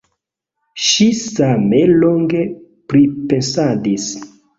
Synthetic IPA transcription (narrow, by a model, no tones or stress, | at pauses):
ʃisameloŋɡe̞ | pɾipensadis